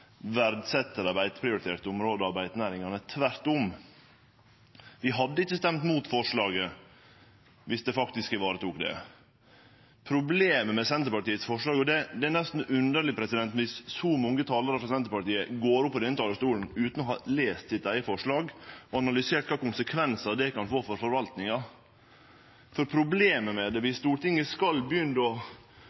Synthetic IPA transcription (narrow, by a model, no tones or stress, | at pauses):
ʋæɾd̪sɛt̪ːəɾɑbæɪt̪pʰɾɪʊɾɪt̪eːɾt̪əʊmɾoːd̪əɑbæɪt̪næːɾɪŋɑnət̪ʰʋæɾt̪ʊm | ʋɪɦɑd̪ːəɪçːəst̪ɛmt̪muːt̪fɔʂɭɑːɡə | ʋɪsd̪ɛfɑkt̪ɪskəʋɑːɾət̪uːkd̪ɛ̰ | pʰɾʊbleːməmɛsɛnt̪əpɑʈiːət̪sfɔʂɭɑːɡɔd̪ɛd̪ɛːnɛst̪n̩ʉnd̪əɭɪpʰɾɛsɪd̪ɛnt̪n̩ʋɪsːɔmɔŋːət̪ʰɑːləɾəfɾɔsɛnt̪əpɑʈiːəɡoːɾʊpːɔd̪ɛnət̪ɑːləst̪uːln̩ʉːt̪n̩ɔɦhɑleːst̪sɪt̪æɪəfɔʂɭɑːɡɔɑnɑlʏseːʈ̚kʰɑːkʊnsəkʰʋɛnsɑd̪ɛkɑnfoːfɔɾfɔɾʋɑlt̪nɪŋɑ | fɔɾpʰɾʊbleːməmɛd̪ɛʋɪst̪uːɾʈɪŋːəskɑlbjʏnd̪ɔ